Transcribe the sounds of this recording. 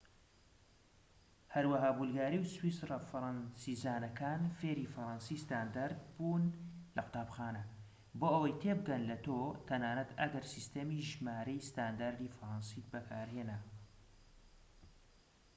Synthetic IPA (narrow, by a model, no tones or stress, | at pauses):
hɐɾwɐɦaːbulɡaːɾiwswiːsrefɨɾɑnsizaːnɐkʰaːnfeːɾiːfɐɾˤɑnsiːst̪aːnd̪aɾd̪̚buːnlɐqʊ̥t̪aːbxaːnɐ | boːʔɐwɐjt̪ʰebɨɡɐnlɐt̪ot̪ʰɐnaːnɐt̪ʰɐ̰ɡɐɾsist̪emiːʒmaːɾɐjst̪aːnd̪aːɾd̪iːfɐɾˤɑnsiːt̪̚bɐkʰaːɾheːna